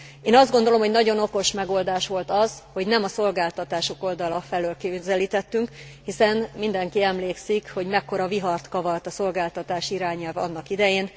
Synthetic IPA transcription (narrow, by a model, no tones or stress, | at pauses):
eːnɒzd̪ɡo̞nd̪o̞lo̞mɦo̞ɟnɒɟo̞no̞ko̞ʃmɛɡo̞ld̪aːʃʋo̞lt̪ɒz̥ho̞ɟnɛmɒso̞lɡaːlt̪ɒt̪aːʃo̞ko̞ld̪ɒlɒfɛløːlkezɛliːt̪ɛt̪ːyŋkhisɛnmind̪ɛŋkiɛmleːksikho̞ɟmɛkːo̞ɾɒviɦɒrt̪kɒvɒrt̪ɒso̞lɡaːlt̪ɒt̪aːʃiɾaːɲɛlvɒ̰nːɒkid̪ɛjeːn